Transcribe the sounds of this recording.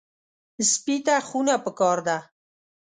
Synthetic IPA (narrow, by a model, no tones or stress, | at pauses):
spit̪axunapəkɑɾd̪a